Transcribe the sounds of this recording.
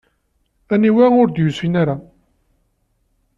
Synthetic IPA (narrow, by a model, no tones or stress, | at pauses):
æniwæʊɾd̪jusinaɾa